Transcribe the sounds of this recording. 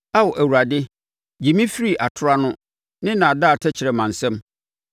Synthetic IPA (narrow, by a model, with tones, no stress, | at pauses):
a˦wɔ˨ʔæ˨wu˨ɾa˨dɪ˦ | d͡ʑi˨mĩ˦fi˦ɾi˦˨ʔa˨tʰʊ˦ɾa˦nʊ̃˦ | nɪ̃˦nã˨a˨daː˦˨tʰɛ˦t͡ɕʰɪ˨ɾɛ˨mã˨n̩˨sɛ̃˦m